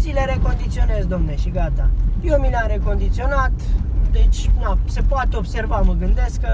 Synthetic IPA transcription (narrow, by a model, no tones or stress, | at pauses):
zileɾe̞ko̞nd̪it̪sio̞ne̞zd̪omneʃiɡat̪ajewmileaɾe̞ko̞nd̪it̪sio̞nat̪ | d̪e̞t͡ʃʲnase̞poat̪o̞bse̞rvaməɡɨnd̪e̞skə